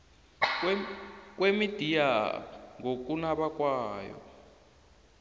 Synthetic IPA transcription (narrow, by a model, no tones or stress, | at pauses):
k̬ʼwemid̥ʱijaŋɡok̬ʼunaɓakwaːjɔ̰